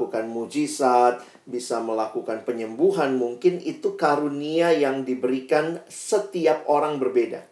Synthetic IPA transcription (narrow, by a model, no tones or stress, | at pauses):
ukanmud͡ʒisat̪̚ | bisaməlakukanpəɲəmbuɦanmuŋkɪnit̪ukaɾuniajaŋdibəɾikansət̪iap̚oɾaŋbərbeda̰